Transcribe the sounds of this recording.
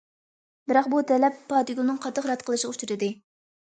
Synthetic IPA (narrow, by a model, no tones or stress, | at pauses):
bɪɾɑqbut̪ʰɛlɛpʰːɑːt̪iɡʲulˠnɨŋqʰɑt̪ʰːəχɾɑt̪qʰəlˠɨʃut͡ʃuɾɨd̪ɨ